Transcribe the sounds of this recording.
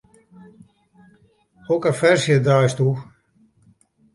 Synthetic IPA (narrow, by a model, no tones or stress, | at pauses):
okəfɛrsjədajstu